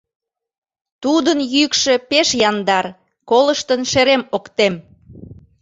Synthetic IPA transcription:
t̪ud̪ənjykʃe̽peʃjɑnd̪ɑr | koləʃt̪ənʃeɾemokt̪em

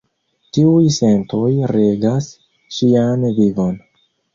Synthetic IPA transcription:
tiujse̞ntojɾe̞ɡas | ʃianvivon

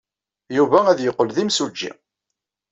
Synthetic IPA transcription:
juvææðjəqːəlðimsud͡ʒːḭ

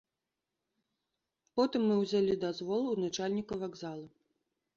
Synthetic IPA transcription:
pɔt̪ɨmːɨwzʲalʲid̪azvɔlˠwnat͡ʂalʲnʲikɐvaɡzalˠɐ

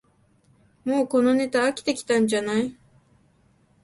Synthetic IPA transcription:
moːkononit̪aːkʲi̥t̪ekʲi̥t̪and͡ʒanaj

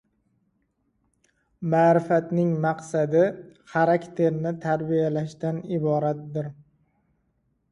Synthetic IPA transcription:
maːɾɪfat̪nɪŋmaqsad̪ɪχaɾakʲt̪ʰe̞ɾnɪt̪ʰaɾbijalaʃt̪anɪbɒɾat̪̚d̪ɪɾ

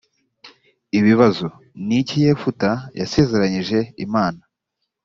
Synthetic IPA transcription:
iβiβazo | nicije̞ːfutajase̞ːze̞ɾaɲiʒe̞imaːna

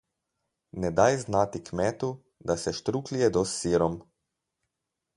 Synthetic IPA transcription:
nɛd̪ajznaːt̪ikmɛːt̪u | d̪asɛʃt̪ɾuːklijɛd̪ɔsːiːɾɔm

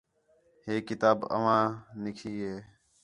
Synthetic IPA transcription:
ɦeːkːɪt̪aːbə̰ʋ̤ãːnɪkʰiːɦeː

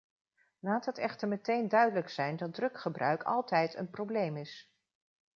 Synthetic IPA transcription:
laːtɦətɛχtəɹmətejndœɥdələksɛjndɑd̚drɵkχəbrœ̰ɥkʰɑ̰lˠtɛjtə̰nprowblejmɪs

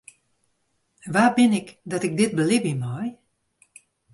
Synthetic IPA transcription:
ʋaːbɪnɪkdɔtɪk̚dɪt̚bəlɪbimɔj

